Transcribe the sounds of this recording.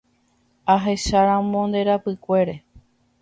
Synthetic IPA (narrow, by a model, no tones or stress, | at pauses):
aɦe̞ʃaɾãmõnd̪e̞ɾapɨkʷe̞ɾe̞